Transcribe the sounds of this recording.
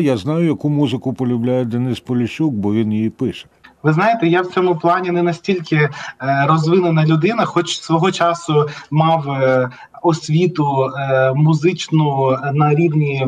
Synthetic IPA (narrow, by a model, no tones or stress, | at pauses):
jaznɑjʊjɐkumuzɪkʊpɔlʲʊblʲajɛd̪ɐnɪspɔlʲɪʃʲuk̚bɔʋʲinjijipɪʃɛ̥ʋɪznɑjet̪ɛjawt͡sʲɔmʊplˠɑnʲinɛnɐsʲtʲilʲkɪrɔzʋɪnenɐlʲʊd̪ɪnɐxɔt͡ʃsʋɔɦɔt͡ʃɑsʊmɑw | ɔsʲʋʲit̪ʊ | mʊzɪt͡ʃnʊnɐɾʲiwnʲi